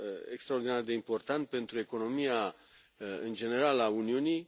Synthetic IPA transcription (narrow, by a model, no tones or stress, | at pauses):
ḛkst̪ɾaoɾd̪inard̪e̞impo̞rt̪ant̪̚pe̞nt̪ɾue̞ko̞no̞mia | ɨnd͡ʒe̞ne̞ɾalauniunij